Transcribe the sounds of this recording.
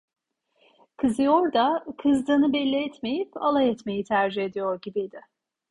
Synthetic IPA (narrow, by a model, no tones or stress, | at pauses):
kʰɯzɯjo̞ɾd̪akʰɯzd̪ɯːnɯbɛlʲːiɛt̪me̞jipa̰lˠajɛt̪me̞jit̪ʰæɾd͡ʒihe̞d̪ijo̞ɾɟibid̪ɪ